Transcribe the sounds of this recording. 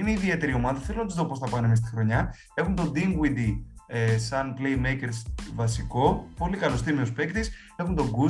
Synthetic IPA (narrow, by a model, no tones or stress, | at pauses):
ineiðie̞t̪e̞ɾio̞mɐðɐθelo̞nɐt̪izðo̞po̞sθɐpɐnemist̪ixɾo̞ɲɐ | e̞xunt̪o̞d̪iŋɡwid̪iesɐnplejmejce̞ɾsvɐsiko̞po̞likɐlo̞st̪imiospe̞kt̪is | e̞xunt̪o̞ɡu